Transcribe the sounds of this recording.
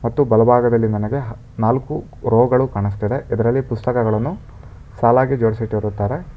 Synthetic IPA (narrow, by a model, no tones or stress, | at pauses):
mɐt̪ːubɐlɐbʱaːɡɐd̪ɐlːimɐnɐɡe̞ɦ | naːlku | ɾoːɡɐɭukaːɳis̬t̪id̪e̞ʔid̪ɐɾɐlːipust̪ɐkɐɡɐɭɐnːu | saːlaːɡid͡ʒoːɽsiʈiʋɐɾut̪ːaːɾe